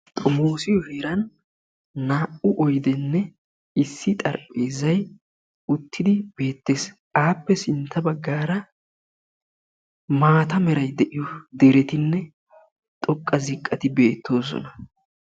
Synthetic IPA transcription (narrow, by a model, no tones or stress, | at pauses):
t̪ʼɔmoːsɪjɔheːɾɐnː | aːʔʊʔɔjd̪ɛnːɛ | ɪsːɪt̪ʼɐɾpʼːeːzɐj | ʊt̪ːɪd̪ɪb̥e̞ːt̪ːe̞ːs | aːpːɛsɪnt̪ʰːɐbɐɡːaːɾɐ | maːt̪ɐmɛɾɐjd̪ɛʔɪjɔd̪ɛɾɛt̪ɪnːɛ | t̪ʼɔkʼːɐzɪkʼːɐt̪ɪbe̞ːt̪ʰːo̞ːs̬ɔ̰nɐ